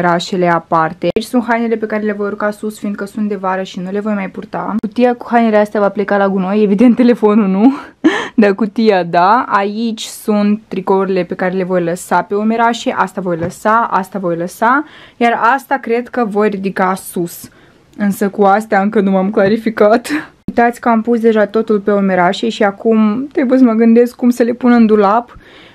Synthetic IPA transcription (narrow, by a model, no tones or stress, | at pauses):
ɾaʃe̞le̞apart̪e̞it͡ʃʲsunt̪ɦajnele̞pe̞kaɾe̞le̞vo̞jrukasusfiːnd̪kəsunt̪d̪e̞vaɾəʃinule̞vo̞jmajpurt̪akut̪ijaku̥hajneleast̪eavaple̞kalaɡuno̞je̞vid̪ent̪ːe̞le̞fo̞nunu | d̪akut̪ijad̪aait͡ʃʲsunt̪ːɾikoluɾile̞pe̞kaɾe̞le̞vo̞jləsape̞ome̞ɾaʃe̞ʔast̪avo̞jləsaʔa̰st̪avo̞jləsajarast̪akɾe̞d̪kəvo̞jrid̪ikasus | ɨnsəkuast̪eaɨŋkənumamklaɾifikat̪ | t̪at̪sʲkəampusd̪e̞ʒat̪o̞t̪ulpe̞o̞me̞ɾaʃe̞ʃiakumt̪ɾe̞bujes̬əməɡɨnd̪e̞skːumsəle̞punɨnd̪ulap